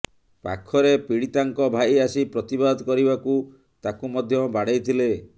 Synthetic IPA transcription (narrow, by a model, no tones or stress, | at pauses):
pa̰kʰːɔɾepiɽ̃it̪aŋkɔbʱaiasipɾɔt̪ibad̪d̪kɔɾibaku | t̪akumɔd̪ʱjɔbaɽejt̪ʰile